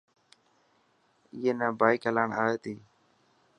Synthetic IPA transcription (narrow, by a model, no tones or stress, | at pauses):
ɪjeːnə̃ːbaːɪkəlaːɳaːeːt̪iː